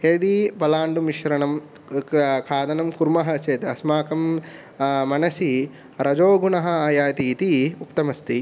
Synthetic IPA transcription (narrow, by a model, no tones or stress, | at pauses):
eːd̪ibɐlaːɳɖumiʃɾɐɳɐm | kʰaːd̪ɐnɐmkuɾmɐɦɐt͡ʃeːt̪ɐsmaːkɐmː | ɐnɐsi | ɾɐd͡ʒoːɡunɐɦɐaːjaːt̪iːt̪iukt̪ɐmɐst̪i